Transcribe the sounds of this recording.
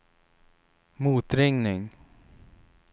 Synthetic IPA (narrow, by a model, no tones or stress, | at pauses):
muːt̪ɾɪŋnɪŋ